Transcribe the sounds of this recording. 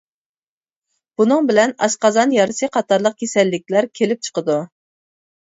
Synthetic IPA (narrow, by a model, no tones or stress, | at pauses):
b̥unɨŋbɪlɛnɑ̰ʃqɑzɑnjɑɾɨsɨqʰɑt̪ʰɑɾlˠəq̚kʲʰesɛlːɪkʲlæɾkʲʰelɪp̚t͡ʃʰə̥qəd̪u